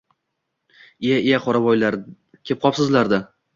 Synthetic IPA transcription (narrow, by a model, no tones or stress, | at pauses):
ijaɪjaqʰɒɾabɒjlaɾ | kʲʰep̚qʰɒpsɪzlaɾd̪a